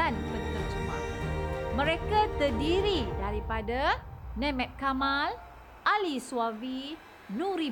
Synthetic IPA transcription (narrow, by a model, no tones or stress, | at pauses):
anpənt̪ərd͡ʒumã | mə̃ɾekat̪ərdiɾidaɾipadanɛ̃mɛ̃t̪̚kamãl | alisuavi | nũɾi